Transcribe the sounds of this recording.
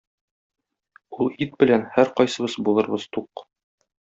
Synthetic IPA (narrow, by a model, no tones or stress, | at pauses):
ulˠit̪̚bɘ̆lænhæɾqɒjsɤ̆βɤzbulˠɤ̆ɾbɤz̥t̪uq